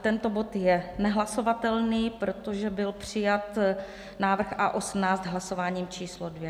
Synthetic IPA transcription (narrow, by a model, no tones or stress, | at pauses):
t̪ɛnt̪o̞bo̞t̪jɛnɛɦlaso̞vat̪ɛlniːpɾo̞t̪o̞ʒɛbɪlpr̝̥ɪjat̪ | naːvr̩xaʔo̞smnaːt͡st̪ɦlaso̞vaːɲiːmt͡ʃiːslodvjɛ